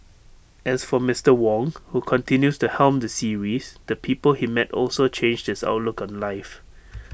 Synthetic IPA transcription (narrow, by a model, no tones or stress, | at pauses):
ʔɛsfɔmɪstəwɔ̃ŋhukʰɔ̃ntʰɪ̃njustuhɛlmdəsiɹisd̥əpʰipəlhimɛtɔlsot͡ʃʰẽnd͡ʒhɪsa̰ʊtlukɔ̃nlaɪf